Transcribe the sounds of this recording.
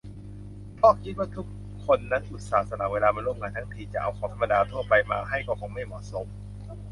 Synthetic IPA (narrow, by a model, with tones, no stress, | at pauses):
pʰɔː˥˩k̚kʰi˦˥t̪̚waː˥˩t̪ʰu˦˥kʰː | o˧nːa˦˥nʔu˨˩t̪̚saː˨˩t̪̚sa˧na˨˩˦weː˧laː˧maː˧nɾu˥˩mŋaː˧nt̪ʰa˦˥ŋt̪ʰiː˧t͡ɕa˨˩ʔa̰˧wkʰɔː˩˦t̪ʰmːa˧daː˧t̪ʰu˥˩ɐpa˧jmaː˧ɦa˥˩jkɔː˥˩kʰɔː˩˦ma˥˩jmɔ̰˨˩so˩˦m